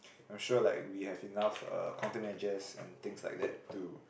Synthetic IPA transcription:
ãj̃mʃulaɪkwihɛvinafʌ̰kʰãntimɛd͡ʒəsɛ̰̃nt̪ɪ̃ŋsla̰ɪk̚d̪ɛ̰tːu

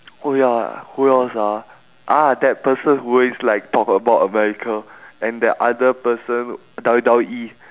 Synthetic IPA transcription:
ojahuɔlsa | ʔadɛt̚pəsə̃nhuweslaɪk̚tʰɔkəbaʊtəmɛɹikʰəɛ̃ndɛtʔadəpəsə̃n | dadaʔi

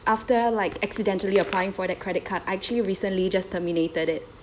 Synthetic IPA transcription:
ʔaftəlaɪkɛksidɛ̃ntəliəpʰlajɪ̃ŋfɔdɛt̚kʰɹɛɾɪt̚kʰataɛk̚t͡ʃuəliɹiːsə̃nlid͡ʒastʰəminetəɾɪt̚

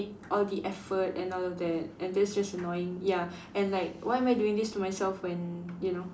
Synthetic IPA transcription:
ʔɔldiʔɛfətɛ̃nɔlɔfd̪ɛt̚ʔɛ̃ndɛtsd͡ʒasənɔjɪ̃ŋja | ɛ̃nlaɪkwaɪɛ̃maɪduɪ̃ŋd̪istumajsɛlfwɛ̃njuno

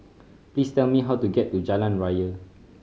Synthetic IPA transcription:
plistɛlmiɦawtuɡɛtːud͡ʒalãnɹajə

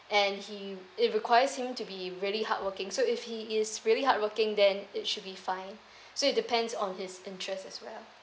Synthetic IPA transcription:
ɛ̃nhiɪt̚ɹikʰwaɪəshɪ̃mtubiɹiəliɦa̰t̚wəkɪ̃ŋsoɪfhiɪsɹiəliɦat̚wəkɪ̃ŋdɛ̃nɪtʃʊd̚bifãɪ̃n | soɪt̚dɪpʰɛ̃ndsɔ̃nhɪsɪ̃ntʰɹɛstɛswɛ̰l

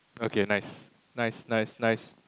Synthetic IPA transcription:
okʰenaɪs | naɪsnaɪsnaɪs

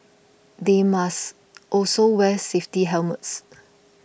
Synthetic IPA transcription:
demas | ʔɔlsowɛseftiɦɛlməts

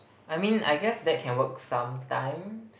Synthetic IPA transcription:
ʔajmĩna̰jɡɛsdɛt̚kʰɛ̃nwəksãmtãj̃ms

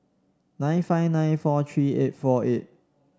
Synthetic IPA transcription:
nãɪ̃nfaɪvnãɪ̃nfɔtʰɹiːet̚fɔʔet̚

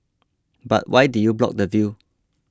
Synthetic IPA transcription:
ba̰t̚wʔajdujublɔ̰k̚dəvju

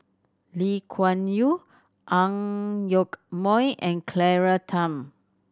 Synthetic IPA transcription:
likʰwãnju | ʔãŋjokmɔ̃jʔɛ̃nkʰlɛɹatʰãm

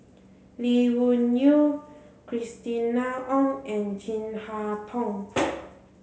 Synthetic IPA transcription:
liwunu | kʰɹist̪inaʔɔ̃ŋʔɛ̃nd͡ʒĩnhat̪ʰɔ̃ŋ

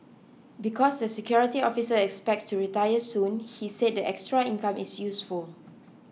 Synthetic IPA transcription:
bikʰɔsdəsɛkʰjɔɹitiɔfisəɛkspɛk̚tstuɹitajəsũnhised̚dəʔɛkstɹaĩnkãmɪsjusful

